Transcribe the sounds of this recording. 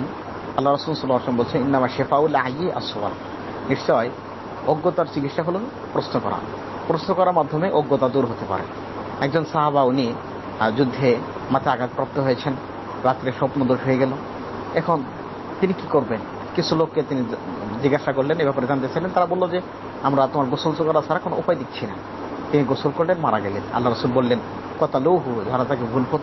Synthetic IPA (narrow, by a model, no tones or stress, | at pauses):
n | ɐalːaɾɐsulsɔlːaaɾsɔmbolt͡ɕʰeninːamaʃefaulajeʔa̰swa̰l | niʃt͡ɕɔe | oɡːot̪aɾd͡ʑiɡit̪ʃaɦolun | pɾosnokɔ̰ɾa̰ | pɾosnokɔɾaɾmad̪ʱːomeʔoɡːot̪ad̪uɾɦot̪epa̰ɾḛ | ɛɡ̚d͡ʑonsaɦaβauni | d͡ʑud̪ʱːe | mat̪ʰeaɡat̪pɾɔp̚t̪oɦojet͡ɕʰen | ɾat̪ːɾeʃɔpnod̪oɾojeɡɛlo | ɛkʰon | t̪inikikoɾben | kit͡ɕʰulokːet̪inid͡ʑiɡaʃakoɾlenebɛpaɾed͡ʑant̪et͡ɕajlent̪aɾabolːod͡ʑe | amɾat̪omaɾɡosolsokaɾasʰaɾakonoʔupajd̪ik̚t͡ɕʰina̰ | t̪iniɡosolkoɾlenmaɾa̰ɡɛlena̰lːaɾasulbolːen | kɔt̪ʰalowɦud͡ʑaɦaɾat̪akebʱulkot̪